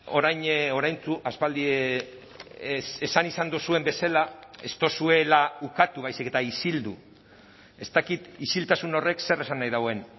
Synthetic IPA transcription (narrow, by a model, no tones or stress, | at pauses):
o̞̰ɾajɲo̞ɾajnt͡suʔaspald̪ie | esanisand̪usue̞mbe̞salae̞̰st̪o̞sue̞laukat̪uβajsike̞t̪aisild̪u | e̞st̪akit̪isilt̪asuno̞re̞kse̞re̞sanːajðawe̞n